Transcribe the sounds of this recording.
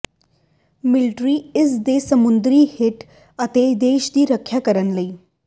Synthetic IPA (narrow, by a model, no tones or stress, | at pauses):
milʈɾiːesd̪esəmund̪ɾiːheʈ | ət̪ed̪eːʃd̪iːɾəkʰːjakəɾənləi